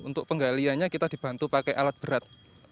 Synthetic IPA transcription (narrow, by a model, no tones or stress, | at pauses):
ṵnt̪ʊk̚pəŋɡaliaɲakit̪ad̪̥i̤b̥a̤nt̪upakɛjʔa̰lat̪̚b̥əɾat̪̚